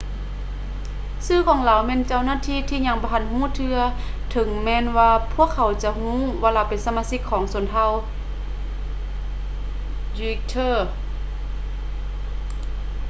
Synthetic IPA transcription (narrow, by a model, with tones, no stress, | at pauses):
sɯː˧˥˨kʰɔː˨˦ŋlaː˨˩wmɛː˧˥˨nt͡ɕa˧˨wnaː˧˥˨t̪ʰiː˧˥˨t̪ʰiː˧˨ɲa˧˩ŋbɔː˧ɦa˧˥nhuː˧˥˨t̪ʰɯ˧ɐ | t̪ʰɤ˨˦ŋmɛː˧˥˨nwaː˧pʰu˧˥˨əkʰːa˨˧˩wt͡ɕa˧˦hũː˧˥˨waː˧laː˧˩wpe˨nsa˧maː˧˥si˧˥kʰːɔː˨˦ŋsu˨˩˦nt̪ʰa˧˨w | di˧k̚t̪ʰɤː˧˩